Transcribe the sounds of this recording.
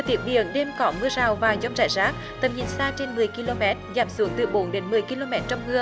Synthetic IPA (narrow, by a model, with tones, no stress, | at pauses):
t̪i˨˦˥p̚ɓḭ˧˨˩ənɗe˧mkɔ˧˦mɨ˧əzaː˨˩wvaː˨˩zɔ˧wŋ͡mza̰ː˧˨jzaː˦˥k̚ | t̪ə˨˩mɲḭ˧˩˦nsaː˧t͡ɕe˧nmɨ˨˩əjki˧lo˧mɛ˦˥t̚zaː˨˩˦msɨ˨˦əŋt̪ɨ˨˩ɓo˨˦nɗe˨˦nmɨ˨˩əjki˧lo˧mɛ˦˥t̚t͡ɕɔ˧wŋ͡mhɨ˧ə